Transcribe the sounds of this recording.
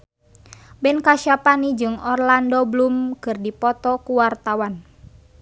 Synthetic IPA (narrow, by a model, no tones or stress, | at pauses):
bɛnkaʃapanid͡ʒɨŋɔrlandɔblumkɨrdipɔt̪ɔkuwart̪awan